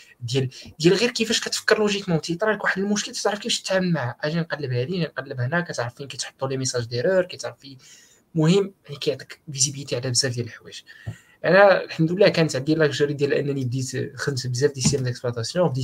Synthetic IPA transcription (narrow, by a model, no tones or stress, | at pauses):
d̪jæld̪jælɣiɾkəfæʃkæt̪fə̥kːəɾˤluʒikmɑwt̪it̪ˤɑɾˤɑləkwaħəd̪əlmʊʃkəlt̪ə̥t̪ʕɾəfkifæʃt̪ə̥t̪ʕaməlmaʕæʔæʒænqɑlːəbhæd̪iʒænqɑlːəbhnækːæt̪ʕɾəfinkæjt̪ħo̥t̪ˤːulimesɑʒd̪eɾəɾkæjt̪ʕɾəfi | mʊhəmːjaʕnikæjʕt̪ˤəkvizibəlt̪iʕlæbzæfd̪jæləħwæʃ | ʔænælħamd̪əlːækænət̪ʕəd̪ːilʔækʒɑɾid̪jælʔæ̰nːænib̚d̪it̪xəd̪msbəzæfd̪isæmd̪əksplwæt̪æsjɔ̃bd̪i